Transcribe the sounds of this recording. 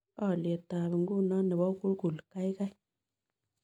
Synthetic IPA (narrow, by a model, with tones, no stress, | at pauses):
a˦˨le˨ta˨bi˨ŋ˦ɡu˦˨na˦nə˨bɔ˦ku˦ɾɡu˨lka˦jka˦j